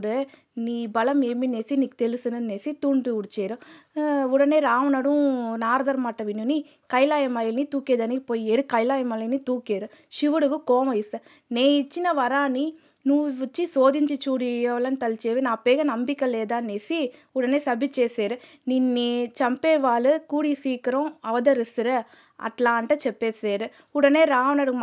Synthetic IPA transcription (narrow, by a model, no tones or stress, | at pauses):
ɽɯ | niːbɐlɐmemineːsiniːkːt̪ɛlɪsɯnɯneːsit̪uːɳɖɯuɽt͡ʃeːɾɯ | uɽɐneːɾaːʋnɐɽũnaːɾɐd̪ɐɾmaːʈːɐʋinːuni | kɐjlaːjɐmɐjelnit̪uːkeːd̪aːnikpoːjieɾɯkɐjlaːjɐmɐlenit̪uːkeːɾɯ | ʃiʋɐɽɯɣɯkoːmɐjisɐ | neːt͡ʃːinɐʋɐɾaːni | nuːʋt͡ʃːisoːðɪɲd͡ʒit͡ʃuːɽiɐʋɐlɐnt̪ɐlt͡ʃeːʋɯnãːpeːɣɐnɐmbɪkːɐleːd̪ãːnesiʊɽɐneːsɐbit͡ʃeːseːɾɯ | niːnit͡ʃɐmpeːʋaːlɯkuːɽisiːkɪɾõɐʋɐðɐɾɪsɯɾɐ | ɐ̰ʈlaːɳʈɐt͡ʃɛpːeːseːɾɯ | ʊɽɐneːɾaːʋɐnɐɽɯ